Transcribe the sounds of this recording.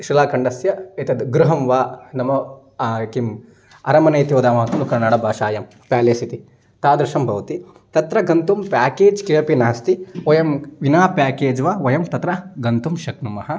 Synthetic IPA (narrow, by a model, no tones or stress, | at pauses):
ʃilaːkɐɳɖɐsjɐet̪ɐd̪ɡɾuɦɐmʋaːnɐmɐ | kim | ɐɾɐmɐnɐjt̪iʋɐd̪aːmɐɦɐk̪ɐlukɐɾnaːɽɐbʱaːʃaːjɐm | paːlɐsit̪i | t̪aːd̪ɾɐʃɐmbʱɐʋɐt̪i | t̪ɐt̪ɾɐɡɐnt̪umpaːkeːd͡ʒkeɐpinɐɦɐst̪iojɐmʋinaːpaːkeːd͡ʒʋaːʋɐjɐmt̪ɐt̪ɾɐɡɐnt̪umʃɐknumɐɦɐ̆